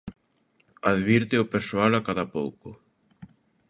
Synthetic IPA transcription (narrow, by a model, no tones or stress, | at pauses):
aðβiɾt̪ɪʊpeɾsoalakaðapowkʊ